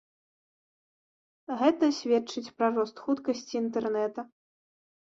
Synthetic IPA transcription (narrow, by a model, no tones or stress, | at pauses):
ɣɛt̪ɐsʲvʲɛt͡ʂɨt͡sʲpɾɐrɔst̪xut̪kɐsʲt͡sʲiːnt̪ɛrnɛt̪ɐ